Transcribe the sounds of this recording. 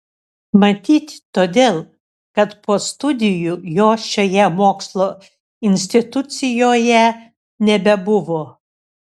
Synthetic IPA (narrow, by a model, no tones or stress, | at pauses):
mɐt̪ʲiːt̪ʲt̪oːd̪ʲeːlˠ | kɐt̪poːst̪ʊd̪ʲɪjujoːʃʲoːjɛmoːkslˠoː | ɪnʲsʲt̪ʲɪt̪ʊt̪sʲɪjoːjɛ | nʲɛbʲɛbʊʋoː